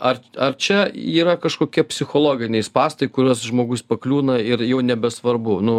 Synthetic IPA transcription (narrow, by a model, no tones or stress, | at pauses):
ɐrɐrt͡ʃʲɛiːɾɐkɐʃkoːkʲiɛpʲsʲɪxoːlˠoːɡʲɪnʲɛɪspɑːst̪ɐɪkʊɾʲuɔsʒmoːɡʊspɐklʲuːnɐɪɾjɛʊnʲɛbʲɛsʋɐɾbʊnʊ